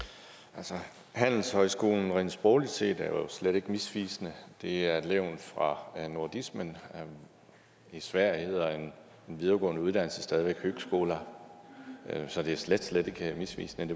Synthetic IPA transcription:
ʔælsɒ | hæn̰l̩shɒ̽ɪsɡ̥o̝̰ːln̩ʁɛ̰ːnsb̥ʁɔːlid̥se̝̰ːd̥æɐjosleɾ̥e̝ɡ̥əmisʋḭːsənəd̥e̝æɐleʊ̰nfʁɑ̈noɐd̥ismən | isʋæɐ̰jəhe̝ð̞̰ˠɐe̝n | enʋið̞ˠɐɡ̥ɔ̰̽ːnəuð̞ˠd̥æn̰l̩səsd̥ɛːð̞ˠiʋeɡ̥høɡ̥sɡ̥o̝̰ːlɐ | sɒ̽d̥e̝æɐsled̥sled̥e̝ɡ̥əmisʋḭːsnəd̥e̝

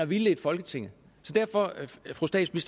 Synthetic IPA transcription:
ɒʋiləe̝d̥fɒ̽lɡ̥ət͡sʰe̝ŋ̰ə | sɒ̽d̥æɐ̰fɒ̽fʁusd̥ɛ̰d̥smisd̥

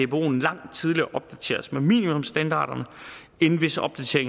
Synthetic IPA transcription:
eb̥o̝̰ːn̩lɑ̈ŋ̰d̥t͡sʰið̞ˠliɐʔɒ̽b̥̚d̥æt͡sʰe̝̰ːɐsmemḭːnimɔ̽msd̥ænd̥ɑ̰̈ːɾ̥ɐnə | e̝nn̩ʋe̝səʔɒ̽b̥̚d̥æt͡sʰe̝ɐeŋ

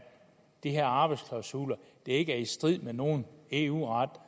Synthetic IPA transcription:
d̥iɦeɐ̰ɑ̈ːb̥ɑ̈ɪd̥skʰlɑ̈ʊsuːlɐd̥e̝e̝ɡ̥əæɐisd̥ʁið̰ˠmeno̝ːn̩e̝ṵːʁɑd̥

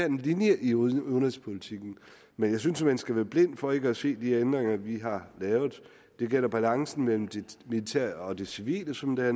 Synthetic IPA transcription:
æɐ̥enlinjəʔioðnʁespʰo̝lit͡sʰiɡ̥n̩ | menjɑ̈ɪsynsmænsɡ̥æʋæːɐb̥le̝n̰d̥fɒ̽e̝ɡ̥əæse̝̰ːd̥iend̥ʁeŋɐʋiɦɑ̈lɛːʊð̩ˠ | d̥e̝ɡ̥el̰ɐb̥ælɑ̈ŋsn̩mel̰m̩d̥e̝milit͡sʰæ̰ɐ̰ɒ̽d̥e̝siʋḭːləsɒ̽md̥eæɐ

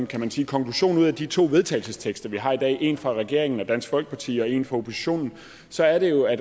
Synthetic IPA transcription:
mkʰæmænsiːkʰɒ̽ŋkʰluɕo̝̰ːnuð̞̰ˠæd̥it͡sʰo̝̰ːʋe̝ð̞ˠt͡sʰɛ̰ɪlsəst͡sʰeɡ̥sd̥ɐʋiɦɑ̈id̥ɛ̰ːʔe̝ːnfʁɑ̈ʁɛɡ̥e̝̰ɐ̰eŋn̩ɒ̽d̥æn̰sɡ̥fɒ̽l̰ɡ̥ə̥pʰɑ̈t͡sʰḭːɒ̽e̝̰ːnfʁɑ̈o̝pʰo̝si̥ɕo̝̰ːnn̩ | sɒ̽æɐɾe̝jo̝æd

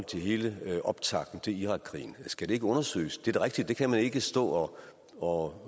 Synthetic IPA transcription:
l̰t͡sʰe̝ɦe̝ːləʔɒ̽b̥t͡sʰɑ̈ɡ̥n̩t͡sʰe̝iʁɑ̈ɡ̥̚ʰʁḭːn̩sɡ̥æd̥e̝e̝ɡ̥əɔ̽nɐsø̰ːsd̥e̝æɐd̥e̝ʁɛɡ̥̚d̥id̥̚d̥e̝kʰæmæne̝ɡ̥əsd̥ɔ̰̽ːɒ | ɒ

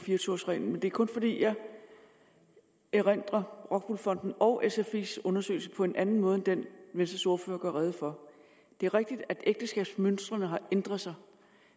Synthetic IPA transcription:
fiːɐt͡sʰuɐsʁɛ̰ːnn̩mend̥e̝æɐkʰɔ̽nfɒ̽d̥ḭːjɑɪ | eʁen̰d̥ʁɐʁɒ̽ɡ̥̚b̥ulfɒ̽n̰d̥n̩ɒ̽ʊʔesefḭsɔ̽nɐsø̰ːɪlsəpʰɒ̽e̝nʔænn̩mɔ̽ːð̞ˠed̥enʋensd̥ɐsoɐfø̰ːɐɡ̥ɶɐʁɛð̞̩ˠfɒ̽ | d̥e̝æɐʁeɡ̥̚d̥id̥æd̥eɡ̥̚d̥əsɡ̥ɛ̰ːb̥smønsd̥ʁɐnəɦɑ̈end̥ʁɐð̩ˠsɑ̈ɪ

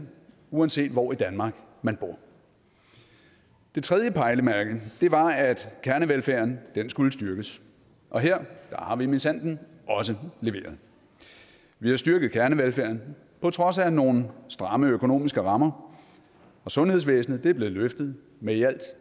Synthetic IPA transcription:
uænse̝̰ːd̥ʋɒid̥ænmɑ̈ːɡ̥ | mænb̥o̝ɐ̰ | d̥e̝t͡sʰʁɛð̞ˠjəpʰɑ̈ɪləmæɐɡ̥əd̥e̝ʋɑ̈æd̥kʰæɐnəʋelfæɐnd̥ensɡ̥uləsd̥ɶɐɡ̥əs | ʔɒ̽ɦeɐ̰d̥ɑ̈hɑ̈ʋiminisæn̰d̥n̩ | ʔɒ̽s̬əle̝ʋe̝̰ːɐð̩ˠ | ʋihɑ̈sd̥yɐɡ̥ð̩ˠkʰæɐnəʋelfæɐ̰n | pʰɒ̽t͡sʰʁɒ̽sæno̝ːnn̩sd̥ʁɑ̈məøkʰo̝no̝̰ːmisɡ̥əʁɑ̈mɐ | ɒ̽sɔ̽nhe̝ð̞ˠs̬ʋḛːsn̩ð̩ˠd̥e̝æɐb̥le̝ːð̩ˠløfd̥ð̞̩ˠ | meæl̰d̥

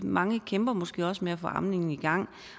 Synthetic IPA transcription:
mɑ̈ŋəkʰemb̥ɐmɒ̽sɡ̥e̝̰ːɒ̽smeæfɔ̽ʔɑ̈mne̝ŋn̩iɡ̥ɑ̈ŋ̰

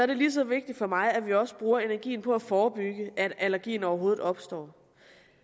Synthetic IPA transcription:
sɒɐɾe̝lis̬ɒ̽ʋe̝ɡ̥̚d̥id̥fɒ̽mɑ̈ɪæʋiɒ̽sə̥b̥ʁuːɐe̝næɐɡ̥ḭːn̩pʰɒ̽æfɒːb̥yɡ̥əʔæd̥ælɐɡ̥ḭːn̩ɒʊɐɦo̝ːð̩ˠɒ̽b̥sd̥ɒ̰ː

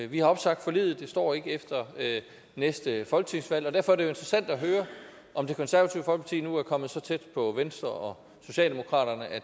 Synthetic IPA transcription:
ʋihɑ̈ɒ̽b̥sɑ̈ɡ̥̚d̥fɒ̽lḭːð̩ˠd̥e̝sd̥ɒ̰ːe̝ɡ̥əefd̥ɐø | nesd̥əfɒ̽lɡ̥ə̥t͡sʰiŋsʋæl̰ɒ̽d̥æɐfɒ̽æɐɾ̥ejo̝e̝nd̥ʁɐsæn̰d̥æɦøːɐ | ʔɒ̽md̥e̝kʰɒ̽nsæɐʋæt͡sʰiʊ̰fɒl̰ɡ̥pʰɑt͡sʰḭːnuæɐkʰɒ̽m̰ð̩ˠsɒ̽t͡sʰed̥pʰɒ̽ʋensd̥ʁɐɒ̽ | so̝ɕɛ̰ːld̥e̝mo̝kʰʁɑ̰̈ːɾ̥ɐnəʔæ

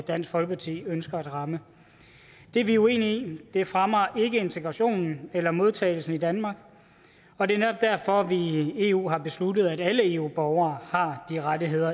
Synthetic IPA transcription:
d̥æn̰sɡ̥fɒ̽lɡ̥əpʰɑ̈t͡sʰḭːønsɡ̥ɐæd̥ʁɑ̈mə | d̥e̝ɐʋiue̝̰ːniid̥e̝fʁɑmɐʔe̝ɡ̥əe̝nt͡sʰe̝ɡ̥ʁɑ̈ɕo̝̰ːnn̩elɐmo̝ð̞ˠt͡sʰɛ̰ːɪl̩sn̩id̥ænmɑ̈ːɡ̥ | ɒ̽d̥e̝ɐnedɒ̽b̥̚d̥æɐ̰fɒ̽ʋie̝̰ṵːɦɑ̈b̥e̝slud̥ð̞̩ˠæɾ̥æləe̝ːṵːb̥ɒʊɐːhɑ̈d̥iʁadiɦe̝ð̞̰ˠɐ

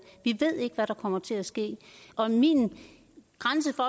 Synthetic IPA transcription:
ʋiʋe̝ð̞̰ˠe̝ɡ̥əʋæɾ̥ɑ̈kʰɒ̽m̰ɐt͡sʰe̝læsɡ̥e̝̰ːɒ̽min | ɡ̥ʁans̬əfɒ̽

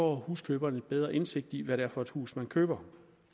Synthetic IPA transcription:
ɒ̰huːskʰøːb̥ɐnəid̥̚b̥eð̞ˠʁɐʔe̝nse̝ɡ̥̚d̥iʋæɾeæɐfɒ̽e̝d̥hṵːsmænkʰøːb̥ɐ

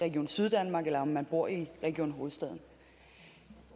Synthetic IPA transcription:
ʁɛɡ̥ijo̰ːnsyð̞ˠd̥ænmɑ̈ɡ̥elɐmmænb̥oɐ̰iʁɛɡ̥io̝̰ːnɦo̝ːð̞̩ˠsd̥ɛðˠn̩

